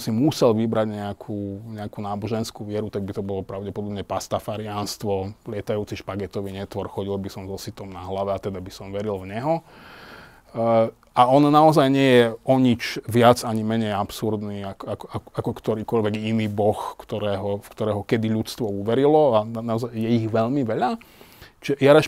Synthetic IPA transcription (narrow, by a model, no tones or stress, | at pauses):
simusɛlʋibɾaɟɲɛakʰuːɲɛakunaːbɔʒɛnskuʋɪɛɾut̪aɡ̚bit̪ɔbɔlɔpɾaʊɟɛpɔd̪ɔbɲɛpast̪afaɾɪanst̪ʋɔlɪɛt̪ajuːt͡siʃpaɡɛt̪ɔʋiɲɛt̪ʋɔɾxɔɟilbisɔmzɔsit̪ɔmnaɦlaʋɛat̪ɛd̪abisɔmʋɛɾilʋɲɛɦɔ | ʔaɔnnaɔzajɲɪɛjɛɔɲit͡ʃʋɪad͡zaɲimɛɲɛjapsuɾd̪niːakakɔaakɔkt̪ɔɾiːkɔʎʋɛɡiniːbɔxkt̪ɔɾɛːɦɔfkt̪ɔɾɛːɦɔkɛd̪iʎut͡st̪ʋɔuʋɛɾilɔaanaɔzajjɛiɣʋɛʎmiʋɛʎa | t͡ʃɛjaɾaʃ